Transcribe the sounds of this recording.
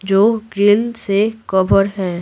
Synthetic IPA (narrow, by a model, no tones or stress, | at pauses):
d͡ʒoːɡɾɪlsekəbəɾɦɛ̃ː